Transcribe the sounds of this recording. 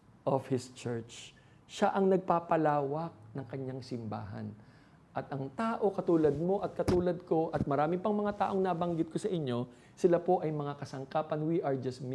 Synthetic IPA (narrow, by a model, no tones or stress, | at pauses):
ʔofhɪst͡ʃɛɹt͡ʃ | ʃaʔɐŋnɐɡ̚paːpɐlaːwɐk̚nɐŋkɐɲːaŋsɪmba̰ːɦɐ̰n | ʔɐt̪ɐŋt̪aːʔo̞kɐt̪uːlɐd̪̚mo̞ʔɐt̪̚kɐt̪uːlɐd̪̚ko̞ʔɐt̪̚mɐɾaːmɪpɐŋmɐŋat̪a̰ːʔo̞ŋnabɐŋɡɪt̪̚kosɐʔɪɲːo̞ | sɪlapo̞ʔɐjmɐŋakɐsɐŋkaːpɐnwiʔɐɹd͡ʒɐsm